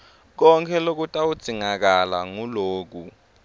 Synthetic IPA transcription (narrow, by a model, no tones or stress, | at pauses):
k̬ɔŋkʰɛlok̬utʼawud̥z̥ʱiŋak̬ala̰ŋuloːk̬u